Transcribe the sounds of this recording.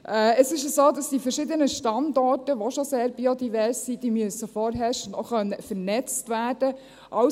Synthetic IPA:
ʔɛəsɪʃəsoːdɑsd̥ifəɾʃɪdənəʃtɑndɔrtəʋoʃoseːɾbiodiʋɛɾsːid̥iːmyəsəfɔɾɦɛʃnoχœnəfəɾnɛt͡stʋæːrdə | ʔɑʊ

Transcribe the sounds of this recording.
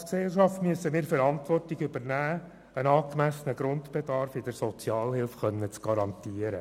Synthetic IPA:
sksɛlʃɑftmyəsːəmiːɾfəɾɑntʋɔrtiɡʏbəɾnæː | ənɑːkmæsənəɡ̥ɾʊnt̪b̥edɑɾfɪd̥əɾsɔt͡sjɑːlhɪlfχœnːət͡sɡ̥ɑɾɑnt̪iːəɾə

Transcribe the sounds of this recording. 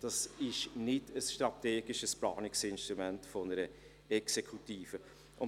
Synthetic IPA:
d̥ɑsɪʃnɪdəsʃtɾɑteːɡɪʃəsplɑ̰ːnɪksɪnʃtɾumɛntfɔnəɾə | ɛksekʰutiːfə | ʔʊn

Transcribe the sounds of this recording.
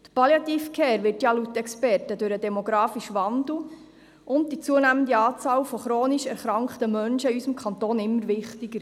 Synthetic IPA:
t̪əpɑljɑt̪iːfkʰeːɾʋɪrtjɑlutːɛkspɛrtədʉɾədɛmoɡɾɑːfiʃʋɑnd̪l̩ | ʔʊnd̚d̥it͡suənæməndiɑːt͡sɑːlfɔχɾoːniʃɛɾχɾɑŋkχtəmœnʃəiysəmkʰɑnt̪oːnɪmːəɾvɪχtiɡəɾ

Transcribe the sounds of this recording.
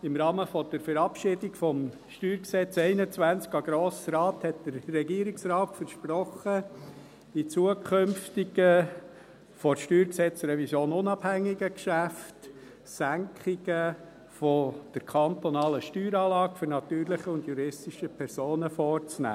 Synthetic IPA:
ɪmɾɑːməfɔd̥̪əɾfəɾɑpʃɪdikfɔm | ʃtyːɾksɛt͡sɛɪnət͡sʋænt͡skɑɡ̥ɾoːsɾɑːthɛtd̥̪əɾːɛɡiəɾɪksrɑːtfəɾʃpɾɔχə | d̥it͡suəkʰχømftiɡə | fɔɾʃtyːɾksɛt͡sɾɛvisjoːnʊnɑbhæŋːiɡəkʃæft | sæŋkʰχɪɡə | fɔd̪̥əɾkʰɑnt̪ɔnɑːləʃtyːɾɑːlɑːkfʏɾnɑtyːɾlɪχəʊndjuɾɪstiʃəpʰɛɾsoːnəfɔːrt͡snæ̰ː

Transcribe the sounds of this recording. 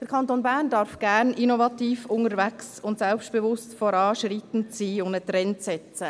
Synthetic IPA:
d̥əɾkʰɑnt̪onbæːɾndɑɾfɡ̥æɾnʔinovɑt̪iːfʊŋəɾvæksʊntsɛlpʃtb̥evʊstfɔɾɑːʃɾit̪n̩t͡siːʊndət̪ɾɛnt͡sɛt͡sə

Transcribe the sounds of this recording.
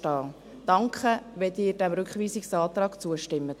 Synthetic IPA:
tɑː | d̥ɑŋkχəʋɛdɪːɾd̥æmɾʉkχʋiːsɪksɑːt̪rɑːɡ̥t͡suəʃtɪmːət

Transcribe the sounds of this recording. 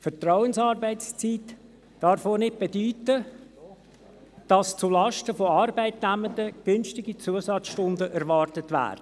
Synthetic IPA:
fətrɔʊənsɑːɾbɛɪt͡st͡siːt | d̥ɑɾfoːnɪt̚b̥edyːtə | d̥ɑst͡sulɑʃtəfoɑrbæɪtnæməndəɡ̥ʏnʃtɪɡit͡suəsɑtt͡sʃtʊndəʔæɾʋɑrtətʋæ̰ːɾdə

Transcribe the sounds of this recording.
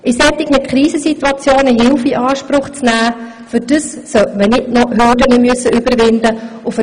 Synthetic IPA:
ʔɪsɛt̪ːɪkmɪt̪̚kʰɾiːsəsit̪uɑt͡sjoːnəɦɪlfiʔɑːʃpɾʊχt͡snæː | fʏd̥əsːœtmənɪdnɔhødənəmøsːəʏbəɾʋɪndəʊf

